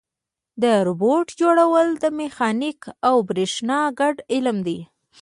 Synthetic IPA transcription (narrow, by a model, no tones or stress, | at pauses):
d̪əɾʊboʈd͡ʒoɽawəld̪əmexɑnikawbɾeʃnɑɡaɖɪlmd̪i